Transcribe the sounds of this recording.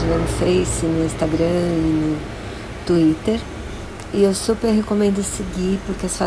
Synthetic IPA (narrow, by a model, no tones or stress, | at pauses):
ɪnɐ̃nfejsɪnʊĩst̪aɡɾɐ̃ɪnʊ | t̪uit̪eɾ | ɪewsupeɾɦekomẽnd̪ʊseɡipʊɾkeɐsfa